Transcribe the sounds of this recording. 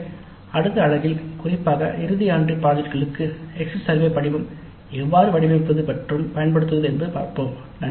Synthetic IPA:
ɐɽɯt̪ːɐːɭɐɣɪlkʊrɪpːaːɣɐ̰ʔɪɾɯðɪjaːɳɖrɯpaːðɪɾɣɐɭɯkːɯɛkssɐɾʋeːpɐɽɪʋɯm | ɛʋːaːɾɯʋɐɽɪmɐʈpːɐðɯpɛʈrɯmpɐjɐnpɐɽɯt̪ːɯʋɐðɯɛnbɯpaːɾpoːm | nɐ

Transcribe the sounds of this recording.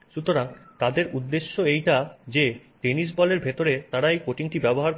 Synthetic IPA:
ʃut̪oɾaŋt̪ad̪eɾud̪ːeʃːoejʈad͡ʑeʈenis̬bɔleɾbʱet̪oɾet̪aɾaejkoʈiŋʈibɛboɦaɾ

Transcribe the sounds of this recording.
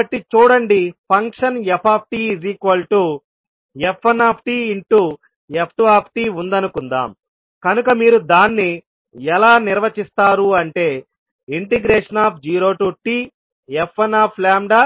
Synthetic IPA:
ɐʈːit͡ʃuːɽɐɳɖipʰɐŋkʂɐnɛpʰaːp̚ʰʈiːzikʋɐlʈu | epʰːɐnaːpʰʈiːiɳʈu | ep̚ʰʈuaːpʰʈiːund̪ɐnukund̪a̰ːm | kɐnukɐmiːɾud̪aːnːi | ɛlaːniɾʋɐt͡ʃist̪aːɾuɐɳʈe̞ː | iɳʈiɡɾeːʂɐnaːp̚ʰd͡ʒiːɾo̞ːʈuːʈiː | epʰːɐnaːpʰlaːmɖa

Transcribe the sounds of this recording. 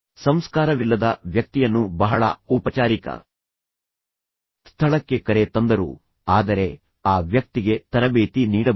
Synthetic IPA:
sɐmskaːɾɐʋilːɐd̪ɐʋjɐk̚t̪ijɐnːubɐɦɐɭɐ̰upɐt͡ʃaːɾikɐ̰ | sst̪ʰɐɭɐkːe̞kɐɾet̪ɐnd̪ɐɾṵ | aːd̪ɐɾe̞ | aːʋjɐk̚t̪iɡe̞t̪ɐɾɐbeːt̪iniːɽɐ

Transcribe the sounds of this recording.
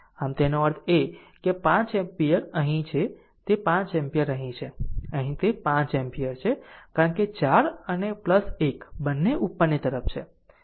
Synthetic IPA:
əmt̪enoəɾt̪ʰekepãt͡ʃẽmpijəɾəɦĩt͡ʃʰɛ | t̪epãt͡ʃẽmpijəɾəɦĩt͡ʃʰɛəɦĩt̪epãt͡ʃempijəɾt͡ʃʰɛkaɾənket͡ʃaɾənepləsekbənːeʔupːənːet̪əɾəp̚ʰt͡ʃʰɛ

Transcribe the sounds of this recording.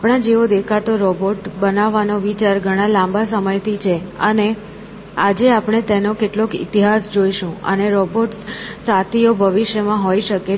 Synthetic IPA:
aapɽ̃ad͡ʒeʋod̪ekʰat̪oɾɔboʈbənaʋːanoʋit͡ʃaɾɡʱəɽ̃ãlãmbasəməjt̪ʰit͡ʃʰeəne | ad͡ʒeapɽ̃et̪enokeʈlokḭt̪iɦasd͡ʒoiʃũə̰neɾɔboʈsat̪ʰiobʱəʋiʃjəmãɦoiʃəke

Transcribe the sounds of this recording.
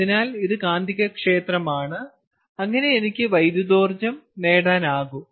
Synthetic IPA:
inaːliðɨkaːnd̪ʱiɣɐkʂe̞ːt̪rɐmaːɳɨ | ɐŋːɐne̞enikʲːɨʋɐjd̪jud̪oːrd͡ʑɐmne̞ːɽaːnaːɣu

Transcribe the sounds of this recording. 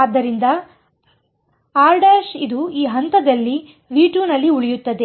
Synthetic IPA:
aːd̪ːɐɾind̪ɐ | aːɾɖaːʃid̪uiːɦɐnt̪ɐd̪ɐlːi | ʋiːʈuːnɐlːiuɭijut̪ːɐd̪e̞

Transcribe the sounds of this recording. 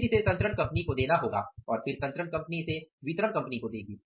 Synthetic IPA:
isesɐ̃nt̪ɾəɳkɐ̃mpnikod̪eːnaɦoːɡa̰ːɔːɾfɪɾsɐ̃nt̪ɾəɳkɐ̃mpniɪseʋɪt̪ɾəɳkɐ̃mpənikod̪eːk̚ʰɡiː

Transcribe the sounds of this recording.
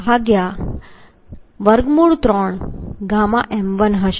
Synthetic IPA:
aɡja | ʋəɾɡmuɭt̪ɾɔɳɡamaʔɛmʋənɦəɕ

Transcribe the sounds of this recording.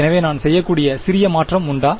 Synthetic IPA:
ɛnɐʋeːnaːnsɛjːɐkːuːɽɪjɐsɪɾɪjɐmaːʈrɐmʊɳɖaː

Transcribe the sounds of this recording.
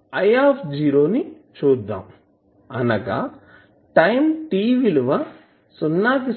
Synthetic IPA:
ɐjaːpʰd͡ʒiːɾo̞ːni | t͡ʃuːd̪ːa̰ːm | ɐnɐɡa̰ | ʈɐjmʈiːʋiluʋa | sunːaːk̪i

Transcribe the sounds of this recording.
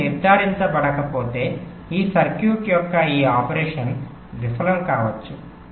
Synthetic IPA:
iɾd̪ʱːaːɾint̪ɐbɐɽɐkɐpo̞ːt̪e̞ː | iːsɐɾkjuːʈjɔkːɐiːaːpɐɾeːʂɐn | ʋifɐlɐmkaːʋɐt͡ʃːu

